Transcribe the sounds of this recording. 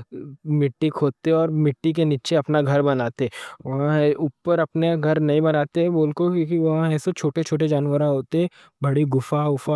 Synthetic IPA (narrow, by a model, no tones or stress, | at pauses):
mɪʈːikʰoːt̪eɔːɾmɪʈːik̬eniːt͡ʃeɐpnaɡʱɐɾbɐnaːt̪eɦɛʋɐɦãuːpːəɾɐpneɡʱɐɾnɐɦĩbɐnaːt̪eɦɛboːlkokːkiʋɐɦãɛːsot͡ʃʰoːʈet͡ʃʰoːʈ̬ed͡ʒaːnʋəɾaɦoːt̪eɦɛ̃ | bɐɽiɡʊfaʊfa